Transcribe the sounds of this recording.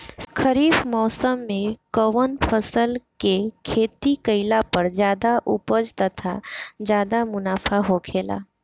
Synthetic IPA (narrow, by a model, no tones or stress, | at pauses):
kʰəɾiːfmɔːsəmːẽkəʋənpʰəsəlkekʰeːt̪ikəɪlapɐɾd͡ʒjaːd̪aʔʊpəd͡ʒt̪ət̪ʰa̰d͡ʒjaːd̪amʊnaːfʰaɦokʰeːla̰ː